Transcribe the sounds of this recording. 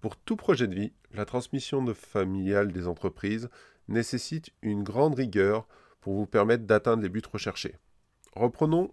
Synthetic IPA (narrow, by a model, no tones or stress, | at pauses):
puʁt̪upχɔʒɛd̪əvi | lat̪χɑ̃smisjɔ̃d̪əfamiljald̪ezɑ̃t̪χəpχiz | nesesit̪ynɡʁɑ̃d̪ʁiɡʲœʁ | puʁvupɛʁmɛt̪χd̪at̪ɛ̃d̪ʁlebyt̪ʁəʃɛʁʃḛ | ʁəpχənɔ̃